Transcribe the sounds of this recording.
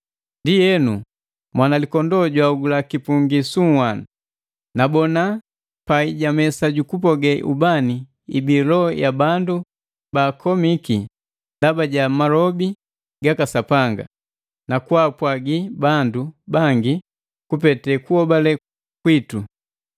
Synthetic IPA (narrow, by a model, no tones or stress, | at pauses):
ndijɛnu | mwanalikɔndɔɟwauɡulakipuŋɡisuŋwan | nabɔna | paiɟamɛsaɟukup̬ɔɡɛʔubani | ḭbilɔɔjabandu | baːkʰɔmiki | ndabaɟamalɔbi | ɡakasapaŋɡa̰ | nakwapwaɡibandubaŋɡi | kupɛtɛkuɔbalɛ | kwitu